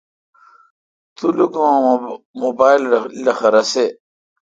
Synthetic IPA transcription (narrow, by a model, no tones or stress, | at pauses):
t̪ulukwã | mobaːilːɐxɐɾɐse